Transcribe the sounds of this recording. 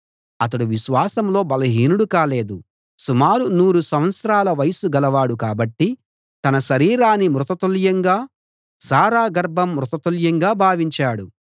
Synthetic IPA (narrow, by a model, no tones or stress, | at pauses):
ɐt̪̬ɐɽuʋiʃʋaːsɐmlo̞ːbɐlɐɦiːnuɽukaːle̞ːd̪u | sumaːɾunuːɾusɐm̃ʋɐt̪sɐɾaːlɐʋɐjɐsuɡɐlɐʋaːɽukaːbɐʈːi | t̪ɐnɐʃɐɾiːɾaːnːimɾut̪ɐt̪uljɐŋɡaː | saːɾaːɡɐɾbʱɐmːɾut̪ɐt̪uljɐŋɡaːbʱaːʋiɲt͡ʃaːɽu